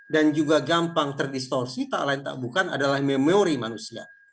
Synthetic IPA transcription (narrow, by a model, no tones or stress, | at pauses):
dand͡ʒuɡaɡampaŋt̪ərdist̪ɔrsit̪a̰ʔlaint̪a̰ʔbukana̰dalahmemeoɾimanusia̰